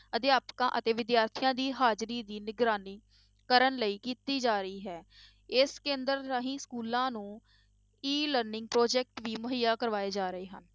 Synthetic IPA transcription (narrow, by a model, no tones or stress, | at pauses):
ət̪eːaːpkã̰ːʔət̪eːʋɪd̪jaːɾt̪ʰijãːd̪iːɦaːd͡ʒɾiːd̪iːnɪɡɾaːniː | kəɾənləiːkiːt̪iːd͡ʒaːɾəiːɦɛː | ɪskẽːnd̪əɾɾaːɦĩːskuːlãːnũː | iːləɾnɪ̃ŋɡ̚pɾoːd͡ʒɛːk̚ʈʋiːmʊɦijaːkəɾʋaːeːd͡ʒaːɾəeːɦə̰n